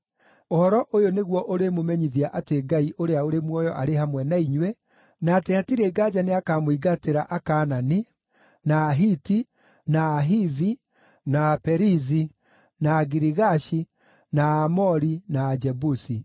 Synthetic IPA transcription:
ohɔɾɔʔojoneɣwɔʔoɾemomɛɲiðiaʔateɡaiʔoɾeaoɾemwɔjɔʔaɾehamwɛnaiɲwɛ | naːteatiɾeɡad͡ʒaneakamoiɡateɾaʔakaːnani | naːɦiti | naːɦivi | napɛɾizi | naːɡiɾiɣaʃi | naaːmɔɾinaːd͡ʒɛbusi

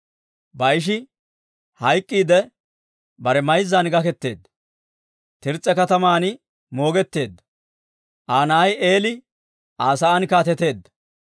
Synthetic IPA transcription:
bɐjʃ̬ɪ | hɐjkʼːiːd̪ɛ | bɐɾɛmɐjzːaːnɡɐkɛt̪ːe̞ːd̪ːɐ | t̪ɪɾt͡sʼːɛkɐt̪ɐmaːnɪ | mo̞ːɡɛt̪ːe̞ːd̪ːɐ | ʔaːnɐɐje̞ːlɪ | ʔaːsɐɐnkaːt̪ɛt̪e̞ːd̪ːɐ̥

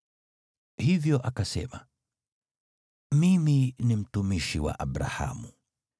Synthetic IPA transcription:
hivjɔʔakasɛ̰ma | miminim̩tumiʃiwa̰ʔaɓɾa̰ha̰mu

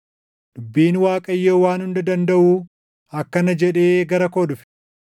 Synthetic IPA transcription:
ᶑʊbːiːnwaːkʼɐjːoːwaːnhʊnd̪ɐd̪ɐnd̪ɐʔuː | ɐkːɐnɐd͡ʒɛᶑe̞ːɡɐɾɐkoːɗʊfɪ̥

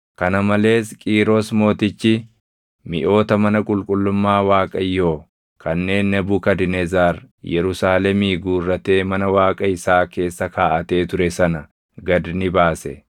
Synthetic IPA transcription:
kɐnɐmɐle̞ːskʼiːɾosmo̞ːt̪ɪt͡ʃːɪ | mɪʔo̞ːt̪ɐmɐnɐkʼʊlkʼʊlːʊmːaːwaːkʼɐjːo̞ː | kʰɐnːe̞ːnːɐbukɐd̪ɪnɛzaːɾjɛɾʊsaːlɛmiːɡuːrːɐt̪e̞ːmɐnɐwaːkʼɐɪsaːke̞ːsːɐkʰaːʔɐt̪e̞ːt̪ʊɾɛsɐnɐ | ɡɐd̪nɪbaːsɛ̰

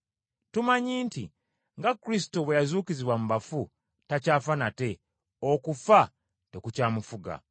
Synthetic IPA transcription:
tumaɲiːntḭ | ŋɡakuɾis̬i̥toβwe̞jazuːkiziβwamuβafu | tacaːfanate̞ | okufa | te̞kucaːmufuɡa̰

